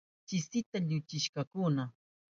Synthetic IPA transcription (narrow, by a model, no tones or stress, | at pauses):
t͡ʃɪsɪt̪aʎʊt͡ʃɪʃkakʊna